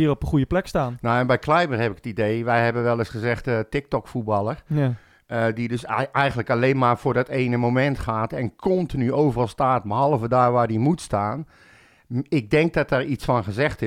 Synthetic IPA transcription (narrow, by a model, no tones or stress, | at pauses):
iərɔpəxujəplɛkstaːnnawɛnbɛjkʰlɛjbərɦɛpɪkə̥tideːʋɛjɦɛbənʋɛlˠɪsχəzɛxtətɪk̚tɔkfubɑlˠər | ədidøsɛjɣən̩ləkaleːnmaːrfʊːrdɔteːnəmomɛntxaːtɛnkʰɔntinyoːvərɑlˠstaːt̚bəɦɑlˠəvədaːrʋaːrdimutstaːn | ɪk̚dɛŋk̚dɔtɛːɹitt͡sfɔnxəzɛxtɪ